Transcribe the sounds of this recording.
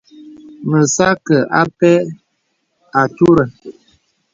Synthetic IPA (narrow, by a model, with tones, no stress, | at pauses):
mə˨sa˦kə˨ʔa˦pɛ˦ | a˨tu˦ɾə˨